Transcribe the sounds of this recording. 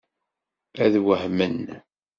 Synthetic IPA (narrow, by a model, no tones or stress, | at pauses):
æðwəhmən